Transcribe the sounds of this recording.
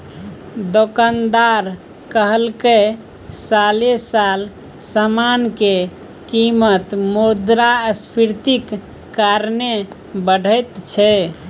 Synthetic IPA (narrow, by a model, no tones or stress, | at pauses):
d̪okand̪aɾ | kəɦəlke | salesal | səmanke | kimət̪moɾd̪ɾaəspʰiɾt̪ikː | aɾne | bəɽ̤ʱəjt̪t͡ʃʰɛ